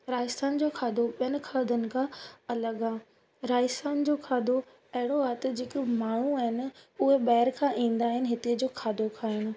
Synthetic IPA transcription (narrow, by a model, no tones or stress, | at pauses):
ɾaːɪst̪aːnd͡ʑoːkʰaːd̪ʱoɓijənɪ̆kʰaːd̪ʱənɪ̆kʰãɐləɡaː | ɾaːɪsaːnd͡ʑoːkʰaːd̪ʱo | ɐɦɪɽ̃oat̪d͡ʑɪk̆maːɳ̤ũaːɦɪnɪ̆ʊɦeɓɐɦɪɾkʰãʔĩːnd̪aːɦɪnɪ̆ɦɪt̪ed͡ʑoːkʰaːd̪ʱokʰaːɪñʊ̆